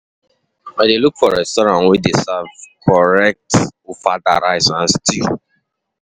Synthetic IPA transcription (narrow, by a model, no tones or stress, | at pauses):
ɛ̃delukfɔɹɛstɔɾãnwidesavkʰɔɹɛk̚tofada̰ɾaɪsãn̩stʰil